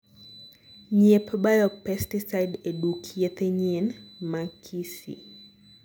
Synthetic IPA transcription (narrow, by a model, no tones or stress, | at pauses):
ɲepɓajɔpɛstisajdeɗukʰiet̪eɲinmakʰisḭ